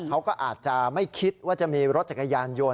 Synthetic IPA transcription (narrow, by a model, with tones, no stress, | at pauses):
kʰa˦˥wkɔː˥˩ʔaː˨˩t̪̚t͡ɕa˨˩ma˥˩jkʰi˦˥t̪̚waː˥˩t͡ɕa˨˩ʔmiː˧ɾo˦˥t̪̚t͡ɕa˨˩kːa˧jaː˧njo˧